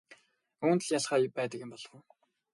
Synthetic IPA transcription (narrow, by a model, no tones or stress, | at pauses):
uːnt̪ə̆ɮjaɮχaːjʊpæːt̪ə̆kɪ̆mpɔɮwə̆w